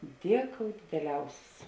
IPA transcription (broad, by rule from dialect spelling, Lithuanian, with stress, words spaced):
ˈdʲiɛˌkoːʊ dʲɪdʲɛˈlʲɛʊsʲɪs